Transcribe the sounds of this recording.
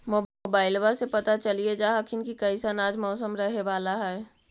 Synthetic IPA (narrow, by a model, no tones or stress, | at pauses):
mobaːɪlʋasepɐt̪at͡ʃɐlied͡ʒaːɦəkʰɪnkikɐɪsənaːd͡ʒmɔːsəmɾɐɦeʋaːlaɦɛː